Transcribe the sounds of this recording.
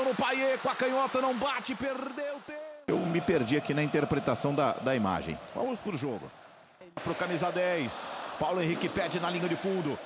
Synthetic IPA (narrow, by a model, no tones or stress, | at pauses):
nʊpajekʊɐkɐ̃ɲɔt̪ɐnɐ̃w̃bat͡ʃɪpeɾd̪ewʊt̪eewmɪpeɾd͡ʒiakinɐĩnt̪eɾpɾet̪asɐ̃w̃d̪ɐ̰d̪ɐima̰ʒḛ̃j̃vɐ̰̃mʊspɾʊʒoɡʊ̰ | pɾʊkamizad̪ɛjspawlʊẽɦikɪpɛd͡ʒɪnɐlĩɲɐd͡ʒɪfũnd̪ʊ